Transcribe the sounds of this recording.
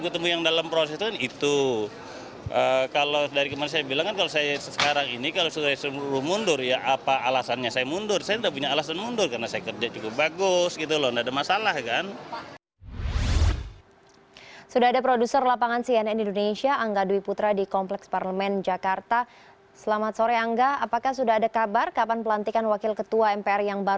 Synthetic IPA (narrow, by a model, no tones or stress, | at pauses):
ɡut̪əmujaŋdalampɾosɛst̪kanit̪u | ʔəkalodaɾikəmanansajabilaŋkankalosajasəsəkaɾaŋinikalosuasɾʊhmundʊrjaʔapaʔːlasanɲasajamundʊrsajat̪idaʔp̬uɲaːlasanmundʊrkarnasajakərd͡ʒat͡ʃukʊp̚baɡʊsɡit̪ulɔndaadamasalahkan | sudaɦadapɾodusərlapaŋansiɛnɛdiːndonesiaʔaŋɡaduiput̪ɾadikɔmplɛksparləmɛnd͡ʒakart̪a | səlamat̪̚soɾɛaŋɡaapakahsudaɦadakabarkapanpəlant̪ikanwakɪlkət̪uaɛmpeɛrjaŋba